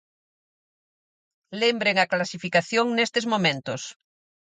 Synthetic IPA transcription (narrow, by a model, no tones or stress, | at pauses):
lembɾeŋɐklasifikaθjoŋnest̪ezmomẽnt̪ʊs